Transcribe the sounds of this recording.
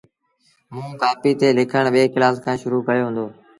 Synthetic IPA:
mũːkaːpiːt̪eːlɪkʰəɳ̃ɓeːkɪlaːskʰãːʃʊɾuːkəɾjoːɦʊ̃ːnd̪oː

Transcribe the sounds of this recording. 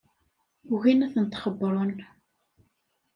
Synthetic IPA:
uɣinæθənt̪χəbːɾˤon

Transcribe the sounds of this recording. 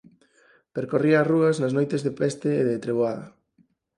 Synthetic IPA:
peɾkoriaːruɐznɐznojt̪ezðepɛst̪eːðet̪ɾeβ̞oaðɐ

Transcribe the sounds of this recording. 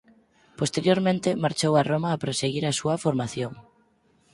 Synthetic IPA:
post̪eɾjoɾmẽnt̪ɪmaɾt͡ʃowaromaːpɾoseɣiɾasuɐfoɾmaθjoŋ

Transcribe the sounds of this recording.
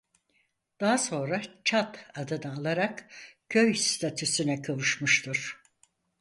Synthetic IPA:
d̪̥aɦaso̞nɾat͡ʃʰat̪ad̪ɯnɯːlˠaɾakcʰøjst̪ʰat̪ʰysynɛkʰavuʃmuʃt̪ʰuɾ̥

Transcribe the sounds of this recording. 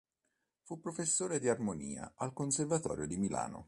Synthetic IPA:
fupːɾofesːoːɾed̪iarmoniːa̰ʔalkonservat̪ɔ̰ːɾjod̪imila̰ːno̰

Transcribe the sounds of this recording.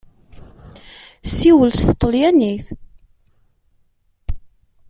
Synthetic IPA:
siwəlst̪t̪ˤːəljæniθ

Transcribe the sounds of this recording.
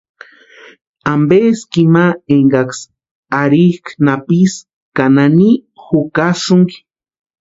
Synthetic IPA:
ambeskimaeŋɡaks | aɾihknapis | kananixukaʃuŋɡi̥

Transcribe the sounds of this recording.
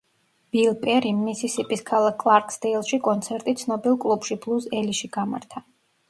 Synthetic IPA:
b̥ilˠpʼɛɾimːisisipʼiskʰalˠakʰːlˠaɾkʼsd̪ɛlˠʃikʼɔnt̪sʰɛɾt̪ʼit̪sʰnɔbilˠkʼlˠupʃiblˠusɛliʃiɡ̥ama̰ɾt̪ʰa

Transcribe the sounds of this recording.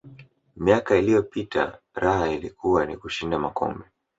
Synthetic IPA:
miakailijɔpitʰa̰ | ɾahailikʰuwanḭkuʃindamakɔ̰mbɛ

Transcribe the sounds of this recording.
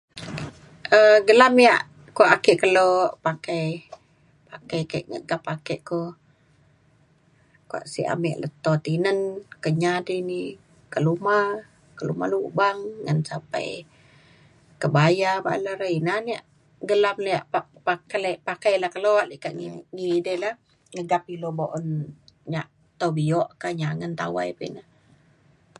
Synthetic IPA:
əɡəlamjaʔ | kuaʔakɛʔkəloʔpakaj | pakajkaʔŋə̰ʔɡapakəʔko | kua̰ʔsḭʔa̰miʔlə̰t̪ɔt̪inənkəɲadini | kəluma | kəluma̰luʔbaŋːənsampa̰j | kəbajaba̰laɾəinaniaʔ | ɡəlamlaja̰ʔpaʔpakalaʔpakajlahkaloaʔliʔkaʔŋŋidəlah | ŋəɡapiloboʔɔnɲaʔ | t̪obiɔʔkaɲaŋənt̪a̰wajpḭna

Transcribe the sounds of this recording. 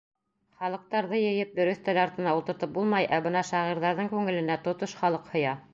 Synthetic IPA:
χɑlˠɤ̆q̚t̪ɑɾðɤjɘ̆jɘp̚d̪ɵ̆ɾɵθt̪ælɑɾt̪ɤ̆nɑult̪ɤ̆ɾt̪ɤp̚bulˠmɑjʔæbɤnɑʃɑʁiɾðɑɾðɤɴkʉŋɘ̆lɘ̆næt̪ŏt̪oʃχɑlˠɤqhŏjɑ

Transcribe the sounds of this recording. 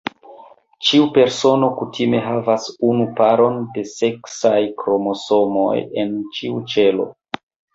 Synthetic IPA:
t͡ʃiupe̞ɾso̞no̞kutʰime̞ɦavasunupaɾo̞nde̞se̞ksajkɾo̞mo̞so̞mo̞̰je̞nt͡ʃiut͡ʃe̞lo̞̰

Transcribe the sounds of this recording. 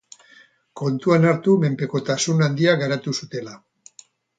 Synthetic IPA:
ko̞nt̪uanaɾt̪ume̞mpe̞ko̞t̪asunand̪iaɣaɾat̪usut̪e̞la

